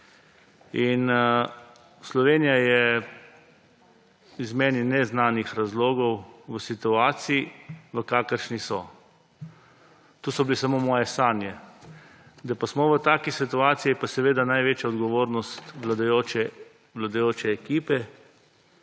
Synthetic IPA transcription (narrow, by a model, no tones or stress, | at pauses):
in | slɔʋeːnijajɛ | izmeːninɛznaːnixɾazloːɡɔwʋəsit̪uaːt̪siiʋəkaːkəɾʃnisɔ | t̪uːsɔbilesamomɔːjɛsaːnjɛ | d̪apasmɔʋət̪aːkisit̪uaːt̪sijipasɛʋeːd̪anajʋeːt͡ʃjaɔd̪ɡɔʋoːɾnɔst̪ʋlad̪ajot͡ʃɛ | ʋlad̪ajoːt͡ʃɛːkiːpɛ